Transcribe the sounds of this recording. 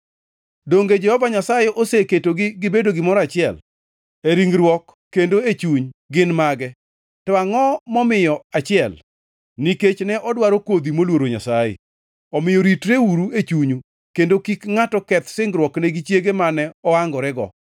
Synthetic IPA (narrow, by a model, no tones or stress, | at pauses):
doŋɡed͡ʒɛhɔvaɲasajeʔoseketoɡɪɡɪbedoɡɪmɔɾat͡ʃɪɛl | eɾiŋɾwɔkːendoet͡ʃuɲɡɪnmaɡɛ | tɔaŋɔmɔmɪjɔat͡ʃɪɛl | niket͡ʃnɛʔɔdwaɾokwod̪imolwoɾoɲa̰sajḛ | ɔmɪjɔɾitɾeuɾuet͡ʃuɲu | kendokikŋatɔkɛt̪sɪŋɡɾwɔknɛɡit͡ʃjeɡemanɛɔaŋɡɔɾɛɡɔ̰